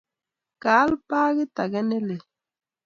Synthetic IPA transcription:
kaː˨˦lpaː˦ɣɪ˦ta˨ɡɛ˦nɛ˦le˨

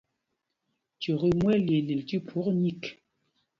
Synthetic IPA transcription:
t͡ʃo˨ɣə˦mwɛ˦le˨li˨lti˦pʰo˨˦kɲi˦˨k

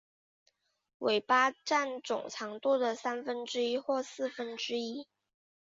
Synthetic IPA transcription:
wʔe˨˩ɪpa˥ʈ͡ʂa˥˩nʈ͡ʂʊ̰˨˩ŋʈ͡ʂʰɑ˧˥ŋt̪u˥˩d̪ə˨˩sa˥nfə˥nʈ͡ʂɻ̩˥i˥xwɔ˥˧sɹ̩˥˩fə˧˥nʈ͡ʂɻ̩˥i˥

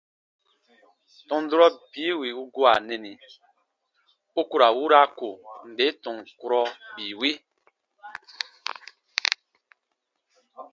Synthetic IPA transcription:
tɔ̃˨n˦du˦ɾɔ˦biː˨˦wi˨u˦ɡo˦a˨nɛ̃˨ni˨ | u˦ku˦ɾa˨wu˦ɾa˦ko˨n̩˨be˨˦tɔ̃˨ŋku˦ɾɔ˦biː˨wi˦

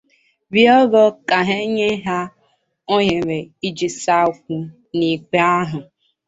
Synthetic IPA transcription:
bi˦ɔ˦ɡɔ˦ka˨ɦe˦ɲe˦ɦa˦ | o˦ɲe˨ɾe˨i˦d͡ʒi˨sa˦kʷu˦ | ni˨k͡pe˦a˦ɦʊ˨

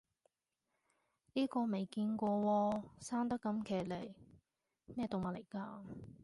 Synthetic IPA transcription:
niː˥kɔː˧me˨jkiː˧nkʷɔː˧wɔː˧saː˥ŋt̪̬ɐ˥kːɐ˧˥mkʰeː˨˩le˨˩j | mɛː˥˩t̪o˨wmaː˨˩le˨˩jkaː˧

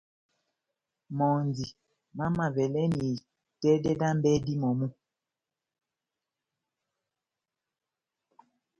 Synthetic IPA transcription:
mɔ˨nzi˨ | ma˦ma˨vɛ˨lɛ˦ni˨ | tɛ˦dɛ˦da˦m˦bɛ˦di˦mɔ˨mu˦

